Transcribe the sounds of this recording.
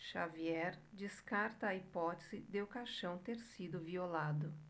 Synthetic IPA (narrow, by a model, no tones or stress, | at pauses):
ʃaviɛɾd͡ʒiskaɾt̪ɐːipɔt̪e̥zɪd̪eʊkaʃɐ̃w̃t̪eɾsid̪ʊviolad̪ʊ